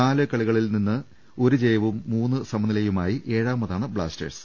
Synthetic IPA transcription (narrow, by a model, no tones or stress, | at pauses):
aːlɨkɐɭiɣɐɭilninːɨ | o̞ɾud͡ʑejɐʋumːuːnːɨsɐmɐnilɐjumaːjiʔe̞ːɻaːmɐðaːɳɨbɭa̰ːstɐ̰rs